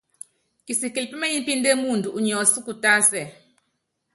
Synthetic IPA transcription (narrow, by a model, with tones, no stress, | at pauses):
ki˨si˨ki˨lpi˦ma˦ji˦n˦pi˦nde˦mu˦˨ndu˨ʔu˨ɲɔ˨si˦ku˨ta˦sɛ˨